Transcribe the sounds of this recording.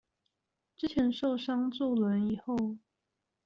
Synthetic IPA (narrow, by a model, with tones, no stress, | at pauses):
ʈ͡ʂɻ̩˥t͡ɕʰjɛ˧˥nʂo˥˩ʊʂɑ˥ŋt͡swɔ˥˩lwə˧˦ni˨˩xo˥˩ʊ